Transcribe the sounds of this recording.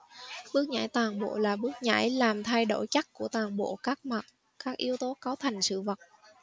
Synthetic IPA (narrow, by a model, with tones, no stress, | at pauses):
ɓɨ˦˥ək̚ɲa̰ː˧˩jt̪waː˨˩ŋɓo̰˧˨laː˨˩ɓɨ˦˥ək̚ɲa̰ː˧˩jlaː˨˩mt̪ʰa˧jɗo˧˩jt͡ɕa˦˥k̚ku˧˩ət̪waː˨˩ŋɓo̰˧˨kaː˦˥k̚ma˨˩t̚ | kaː˦˥k̚ʔi˧əwt̪o˨˦kaː˨˦wt̪ʰa˨˩jŋ̟sɨ̰˧˨və˨˩t̚